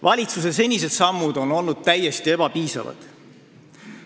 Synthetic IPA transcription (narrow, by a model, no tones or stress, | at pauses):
vɑlʲit̪suse̞se̞nʲis̬e̞d̪sɑmːud̪̥o̞no̞lnud̪̥̚t̪æjːe̞st̪ie̞b̥ɑpiːsɑ̰vɑ̰d̪̥